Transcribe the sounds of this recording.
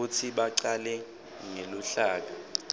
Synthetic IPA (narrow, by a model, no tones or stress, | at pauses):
utʰiɓaǀalɛ | ŋeluɬaːk̬a